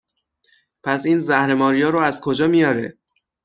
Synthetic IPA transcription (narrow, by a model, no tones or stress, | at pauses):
pʰæsiːnzæhɾe̞mɒːɾijɒːɾoæzkʰod͡ʒɒːmijɒːɾe̞̰